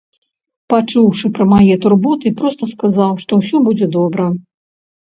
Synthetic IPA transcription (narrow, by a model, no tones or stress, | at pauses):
pat͡ʂuwʂɨpɾɐmajɛt̪urbɔt̪ɨipɾɔst̪ɐskazawʂt̪ɔwsʲɔbud͡zʲɛd̪ɔbɾɐ